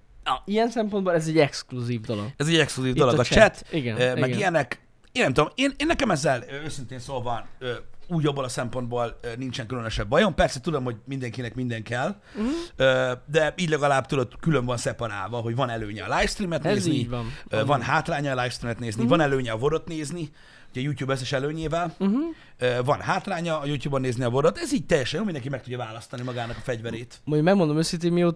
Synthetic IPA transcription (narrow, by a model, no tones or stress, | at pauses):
ɒijɛnsɛmponboːlɛzɛɟɛkskluziːvd̪olo̰ɡɛzɛɟːɛkskluziːvd̪oloɡɒt͡ʃɛt̪iɡɛnmmɛɡɡijɛnːɛk | eːnɛmt̪ud̪omeːneːnːɛkɛmɛzːɛløøːsint̪eːnsoːlvɒnøːuːjɒbːolɒsɛmpond̪boːlønint͡ʃɛŋkylønøʃɛbːɒjo̞mpɛrsɛt̪ud̪o̞mho̞ɟmind̪ɛŋkinɛkmind̪ɛŋkɛlː | øːd̪ɛiːɟlɛɡɒlaːbt̪ud̪o̞t̪kyløɱvɒnsɛpɒɾa̰ːlvɒɦo̞ɟvɒnɛløːɲɛɒ̰lajfst̪rimɛt̪neːznivnøvɒnɦaːt̪laːɲɒlajfst̪riːmɛt̪neːznivɒnɛløːɲɛɒvo̞d̪o̞t̪neːzni | uɟɛːjuːcjuːbøs̬ːɛʃɛløːɲeːvɛl | øːvɒnɦaːt̪laːɲɒːjuːcjuːbonːeːzniɒvo̞d̪ot̪ɛziːɟ̚t̪ɛjːɛʃɛnjoːmind̪ɛŋkimɛk̚t̪uɟːɒvaːlɒst̪ɒnimɒɡaːnɒkɒfɛɟvɛɾeːt̪mojmɛɡmond̪omøset̪emio